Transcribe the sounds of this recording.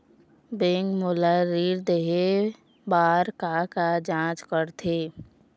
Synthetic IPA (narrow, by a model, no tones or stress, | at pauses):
bẽːŋkmolaɾiːɾd̪eɦe | baːɾkakad͡ʒãːt͡ʃkəɾt̪ʰeː